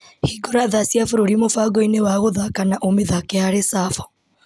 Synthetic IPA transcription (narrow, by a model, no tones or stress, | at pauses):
hiɡɔɾaðasiafoɾoɾimofaɡɔinewaɣoðakanaʔomeðakɛaɾesafɔ̥